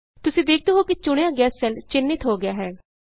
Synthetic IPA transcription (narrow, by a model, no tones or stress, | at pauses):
t̪ʊsĩːd̪eːkʰd̪eːɦoːkit͡ʃʊɽ̃ejãːɡɛːsːənɖt͡ʃɪnːɪt̪ɦoːɡɪjaːɦɛː